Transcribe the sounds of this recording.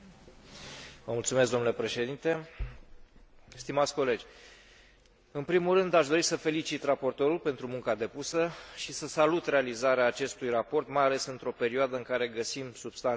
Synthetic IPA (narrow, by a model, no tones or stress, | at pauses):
vəmult̪sumes̬ɡd̪o̞mnulepɾe̞ʃe̞d̪int̪e̞ | st̪imat̪sʲko̞le̞d͡ʒʲ | ɨnpɾimulrɨnd̪aʃd̪o̞ɾisəfe̞lit͡ʃit̪rapo̞rt̪o̞ɾulpe̞nt̪ɾumuŋkad̪e̞pusəʃisəsalut̪realizaɾeaːt͡ʃe̞st̪ujrapo̞rt̪majale̞sɨnt̪ɾo̞pe̞ɾioad̪əɨŋkaɾe̞ɡəsimsub̥st̪an